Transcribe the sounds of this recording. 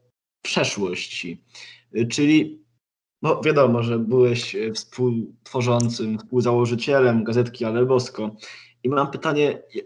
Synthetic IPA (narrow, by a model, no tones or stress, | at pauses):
pʂɛʂwɔɕt͡ɕi | t͡ʂɘlʲi | bɔvʲjad̪ɔmɔʐɛbɘwɛɕfspʰuwt̪fɔʐɔnt̪sɘmfspuwzawɔʐɘt͡ɕɛlɛmɡazɛt̪kʲialɛbɔskɔ | imampɘt̪aɲɛj